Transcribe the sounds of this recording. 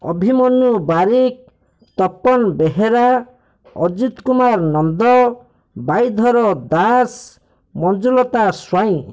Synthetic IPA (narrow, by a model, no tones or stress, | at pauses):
ɔ̰bʱimɔnubaɾik̚ | t̪ɔpːɔnbeɦeɾa | ɔd͡ʒit̪kumaɾnɔnd̪ɔ | bajd̪ʱɔɾɔd̪as | mɔnd͡ʒulɔt̪aswaĩ